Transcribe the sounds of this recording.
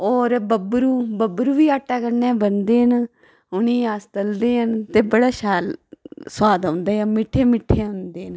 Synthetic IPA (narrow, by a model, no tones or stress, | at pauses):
oːɾbəbɾuːbəbɾuːʋiːaːʈːaːkəɾnɛ̃ːbənd̪eːɦən | ʊniːaːst̪əld̪eːɦənt̪eːbəɽaːʃaːlswaːd̪õːnd̪aːãmɪʈʰːeːmɪʈʰːeːʊ̃nd̪eːn